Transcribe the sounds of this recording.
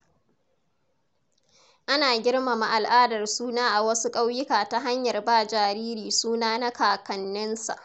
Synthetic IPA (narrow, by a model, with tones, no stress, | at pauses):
ʔa˦naː˨ɡʲɪ˦ɽma˨ma˨ʔa˨lʔaː˦dɐ˨rsuː˦naː˦ʔa˨wɐ˦su˦kʼa˦wjɪ˦kaː˨ta˦ɦa˦ɲjɐ˨rbaː˦d͡ʒaː˨ɾiː˦ɾiː˨suː˦naː˦na˦kaː˨kɐ˨nːɪ˦nsa̰˨ʔ